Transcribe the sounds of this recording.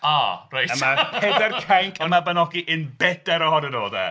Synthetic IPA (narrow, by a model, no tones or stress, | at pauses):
arajtapʰɛdɛrkʰaŋkʰəmabənɔɡiʔɨnbɛd̥ɛɾɔɦɔnənoːðɛ̰